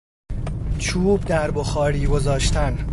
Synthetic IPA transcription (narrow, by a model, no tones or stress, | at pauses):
t͡ʃʰuːbd̪æɾboxɒːɾiːɡo̞zɒːʃt̪ʰæn